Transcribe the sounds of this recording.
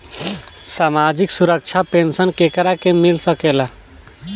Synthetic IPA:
saːmad͡ʒɪksuɾək̚t͡ʃʰapensənkekəɾakemɪlsəkela

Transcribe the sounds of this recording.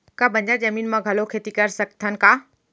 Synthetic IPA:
kabʱɐ̃ɲd͡ʑad͡ʑɐmiːnmãɡʱɐlokʰeːt̪ikɐɾsɐɡ̚t̪ʰən̆kaː

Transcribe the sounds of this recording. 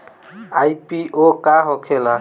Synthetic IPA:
ajpiʔokaɦokʰela

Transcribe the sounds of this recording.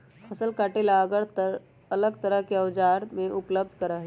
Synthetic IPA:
pʰəsəlkaːʈelaɡəɾt̪ | ɐləɡt̪əɾəɦkeɐʋd͡ʒaːɾmẽʔʊpləb̚d̪ʱkəɾaɦe

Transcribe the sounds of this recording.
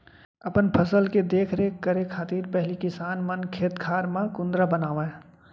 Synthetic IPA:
ɐpənpʰəsəlked̪eːkʰɾekəɾekʰaːt̪iːɾpɛɦlikɪsaːnmənkʰeːt̪kʰaːɾmãkʊ̃nd̪ɾabənaːʋẽ

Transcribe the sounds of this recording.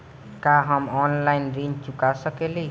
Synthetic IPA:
kaɦamɔnlajnrint͡ʃukasʌkele

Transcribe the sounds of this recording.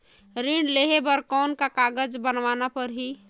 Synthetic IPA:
ɾĩɳɖleɦebəɾkɔnkakaɡəd͡ʒbənʋanapəɾɦi

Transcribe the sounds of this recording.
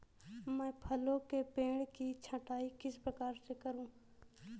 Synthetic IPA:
mɛ̃ːpʰəlõkepẽːɽkit͡ʃʰə̃ʈaːikɪspɾɐkaːɾsekəɾũː

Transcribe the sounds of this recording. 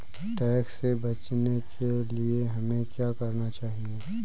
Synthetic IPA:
ʈɛːksːebɐt͡ʃnekʰelieɦɐmẽkjaːkɐɾnat͡ʃaːɦie

